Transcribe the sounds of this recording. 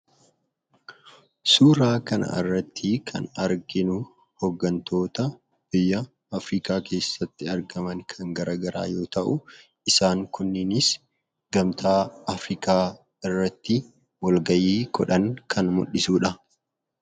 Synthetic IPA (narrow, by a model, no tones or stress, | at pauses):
suːɾaːkɐnɐ̰ɪ̰rːɐt̪ʰːɪkʰɐ̰nɐɾɡɪnʊ | hɔɡːɐnt̪ʰo̞ːt̪ɐ | b̥ɪjːɐː | fɾiːkaːkʰe̞ːsːɐt̪ːɪɐɾɡɐmɐnkʰɐŋɡɐɾʔaːɡɐɾa̰ːjo̞ːt̪ɐʔʊ | ɪsaːŋkʊnːɪnɪs | ɡ̥ɐmt̪ʰaːɐfɾiːkʰaː | ɪrːɐt̪ːɪ | wɐlɡɐjiːɡɔᶑɐŋkʰɐnmʊ̰ɗːɪsuːᶑɐ